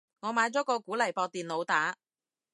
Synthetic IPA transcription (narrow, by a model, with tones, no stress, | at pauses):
ŋɔː˨˧maː˨˧˥jt͡sɔː˨˥kɔː˧kuː˨˥lɐ˨˩jpɔː˧k̚t̪iː˨nlo˨˧wt̪aː˨˥